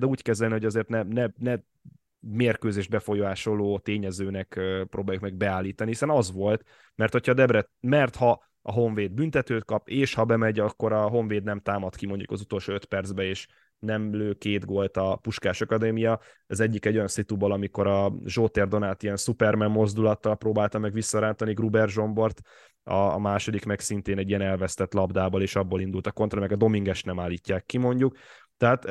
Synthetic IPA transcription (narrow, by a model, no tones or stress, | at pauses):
d̪ɛuːckɛzɛlniho̞ɟɒzeːrt̪nɛnɛnɛ | meːrkøːzeːʒ̚bɛfo̞joːaːʃolːoːt̪eːɲɛzøːnɛkːpɾoːbaːjukmɛɡ̚bɛaːlːiːt̪ɒnihisɛnɒzʋo̞lt̪ | mɛrt̪ho̞cʰɒːd̪ɛbɾɛt̪̚mɛrt̪hɒ | ɒɦo̞ɱveːd̪̚bynt̪ɛt̪øːt̪̚kɒpeːʃhɒbɛmɛɟɒkːo̞ɾɒɦo̞ɱveːd̪nɛmt̪aːmɒt̪kimo̞ɲɟṵkɒzut̪o̞lʃoːøt̪pɛrd̪zbɛeːʃ | nɛmløːkeːt̪ɡo̞lt̪ɒpuʃkaːʃɒkɒd̪eːmijɒ | ɛzɛɟːikɛɟːo̞jɒnsit̪ubolɒmikoɾɒʒoːt̪ɛrd̪o̞naːt̪ijɛnsupɛrmɛmːo̞zd̪ulɒt̪ːɒlproːbaːlt̪ɒmɛɡʋisːɒɾaːnt̪ɒniɡrubɛrʒo̞mbo̞rt̪ | ɒmaːʃo̞d̪ikmɛksint̪eːnɛɟijɛnɛlvɛst̪ɛt̪lɒbd̪aːboleːʃɒbːoːlind̪ult̪ɒko̞nt̪rɒmɛɡɒd̪o̞miŋɡɛʃt̪nɛmaːlːiːcːaːkːimo̞ɲɟuk | t̪ɛɦat̪